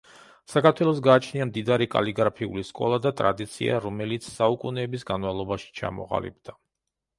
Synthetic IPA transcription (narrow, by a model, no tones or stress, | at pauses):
sakaɾt̪ʰwɛlˠɔs̬ɡaːt͡ʃʰniamd̪id̪aɾikʼa̰liɡaɾpʰiuliskʼɔ̰lˠad̪at̪ʼɾad̪it̪sʰḭa̰ɾɔmɛlit̪sʰsaukʼunɛːbisɡanvavlˠɔbaʃi̥t͡ʃʰa̰mɔ̰ʁa̰lḭb̚d̪̥a